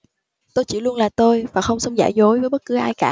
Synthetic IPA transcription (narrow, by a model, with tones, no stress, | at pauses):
t̪o˧jt͡ɕḭ˧˩lu˧ənlaː˨˩t̪o˧jvaː˨˩xə˧wŋ͡msə˧wŋ͡mza̰ː˧˩jzo˨˦jvəː˨˦jɓə˦˥t̚kɨ˨˦ʔaː˧jkaː˧˩